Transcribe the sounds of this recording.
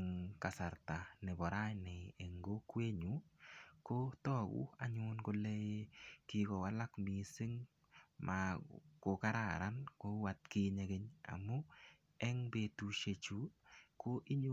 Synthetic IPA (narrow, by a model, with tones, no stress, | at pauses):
ŋka˨sa˨ɾta˨nɛ˨bɔ˨ɾa˦jnɛː˨ŋɡo˦kwe˦ɲu˨˦ko˦tɔ˦ɡṵ˦a˨ɲʊnko˦le˦je˦kɪ˦kɔ˨wa˦la˦kmi˨sɪ˦ŋ | mʔa˨ko˨ka˦ɾa˨ɾa˦nko˦wa˨t̚kɪ˦ɲe˨ɡe˦ɲa̰˨mʊ˦ | ɛ˦ŋbe˨tu˨ʃe˨t͡ʃu˦ko˦ʔi˦ɲu